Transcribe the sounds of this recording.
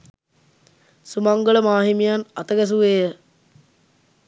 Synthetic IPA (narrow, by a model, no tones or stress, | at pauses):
sumaŋɡəɭəmaːɦimijanɐt̪əɡæs̬uʋeːjə